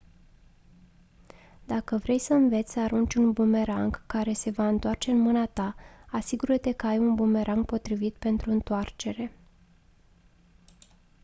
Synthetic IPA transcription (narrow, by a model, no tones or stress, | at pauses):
d̪̥akəvɾe̞jsəɨnve̞t̪sʲsəaɾunt͡ʃʲunbume̞ɾaŋɡkːaɾe̞se̞vaɨnt̪oart͡ʃe̞ɨnmɨnat̪aasiɡuɾət̪e̞kəajunbume̞ɾʔaŋɡ̚po̞t̪ɾivit̪̚pe̞nt̪ɾuɨnt̪oart͡ʃe̞ɾe̞